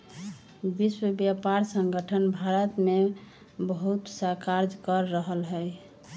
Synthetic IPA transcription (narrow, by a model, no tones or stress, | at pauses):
biswəbjapaɾsəŋɡəʈʰənbʱaɾət̪me | bəɦut̪sakaɾd͡ʒkəɾːəɦəlɦəj